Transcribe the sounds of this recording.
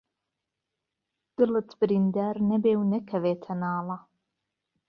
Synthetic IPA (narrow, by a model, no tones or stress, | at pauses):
d̪̥ɨlɨt̪bɨɾind̪aːɾnɐbeːwnɐkʰɐveːt̪ʰɐnɑːlɐ